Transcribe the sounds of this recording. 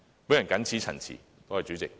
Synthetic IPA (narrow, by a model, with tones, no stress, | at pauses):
pe˨˥jɐ˨˩nkɐ˨˥nt͡sʰiː˨˥t͡sʰɐ˨˩nt͡sʰḭ˨˩ | t̪o˥whɐ˨jt͡sy˨˥t͡sɪ˨k̚